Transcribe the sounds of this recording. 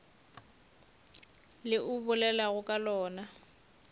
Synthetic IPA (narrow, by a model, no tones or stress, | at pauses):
lɪʔʊbʊlɛlaɣʊkʼalɔːna